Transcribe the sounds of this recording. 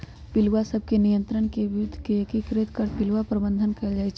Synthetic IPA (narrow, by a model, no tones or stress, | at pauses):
pɪlwasəb̚ʱkenijə̃nt̪ɾəɳkeʋɪʊd̪ʱːkekikɾet̪kəɾpɪlwapɾəbə̃nd̪ʱənkɐld͡ʒaːɛt͡ʃʰɛ